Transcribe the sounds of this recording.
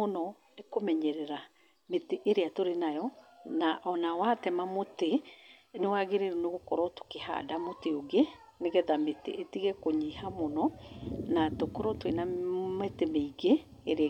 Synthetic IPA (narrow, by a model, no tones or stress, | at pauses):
onɔ | nekomɛɲɛɾɛɾa | meteʔeɾeatoɾenajɔnaʔɔnawatɛmamotenewaɣeɾeɾuneɣokɔɾɔto̥keha̰damoteoɡe | neɣɛðametḛʔetiɣɛkoɲihamɔnɔnatokɔɾɔtwenametemeiɡeːɾ